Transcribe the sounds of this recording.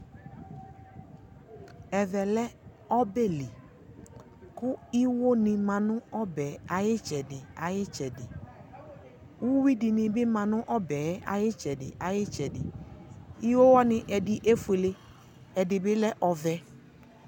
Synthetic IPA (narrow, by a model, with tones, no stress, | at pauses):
ɛ˨vɛ˨lɛ˦ | ɔ˦be˦˨li˨ | kʊ˦i˦wo˦nɪ̃˧mã˨nʊ̃˦ɔ˦bɛ˨˦a˨jɪ˦t͡ʃɛ˨dɪ˨a˨jɪ˦t͡ʃɛ˨dɪ˨ | wu˦wi˦dɪ˨nɪ̃˧bɪ˦mã˨nʊ̃˦ʔɔ˦bɛː˨˦a̰˨jɪ˦t͡ʃɛ˨dɪ̰˨ʔa˨jɪ˦t͡ʃɛ˨dɪ̰˨ | i˦wo˦wɔ˦nɪ̃˦ʔɛ˨dɪ˨ʔe˦fu˨e˨le˦ | ɛ˨dɪ˨bɪ˦lɛ˦ʔɔ˨vɛ˦